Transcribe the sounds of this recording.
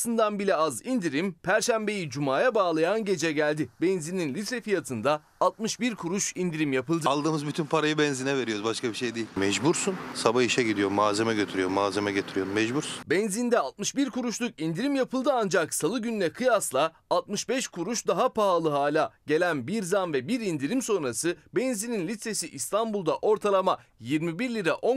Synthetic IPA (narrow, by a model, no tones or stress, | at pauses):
sɯnd̪anbilʲɛazind̪iɾimpʰæɾʃæmbe̞jid͡ʒumaːjabaːlˠajanɟe̞d͡ʒɛɟælʲd̪ibenzininlʲit̪ʰɾefijat̪ʰɯnd̪a | alˠt̪̚mɯʃbiɾkʰuɾuʃind̪iɾimjapɯlˠd̪ɯlˠd̪ɯːmɯzbyt̪ʰynpʰaɾajɯbɛnzinɛve̞ɾioɾzbaʃkabiʃejd̪iːmɛʒbuɾsunsabahiʃɛɟid̪ijoɾmaːzemɛɟøt̪ʰyɾyjoɾmaːzemɛɟet̪ʰyɾijo̞ɾunmɛʒbuɾsunbɛnzind̪ɛalˠt̪̚mɯʃbiɾkʰuɾuʃlˠukind̪iɾimjapʰɯlˠd̪ɯand͡ʒaksalˠɯɟynlʲɛkʰɯjaslˠaalˠt̪̚mɯʃbɛʃkʰuɾuʃd̪aɦapʰaalˠɯɦaːlʲaɟe̞lʲænbiɾzanvɛbiɾind̪iɾimso̞nɾasɯbɛnzininlʲit̪se̞siʔist̪ʰanbulˠd̪aʔo̞ɾt̪ʰalˠamajiɾmibiɾlʲiɾaʔo̞